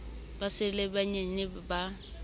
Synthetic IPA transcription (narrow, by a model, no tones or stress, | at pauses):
basɪlɛbaɲɛnɪba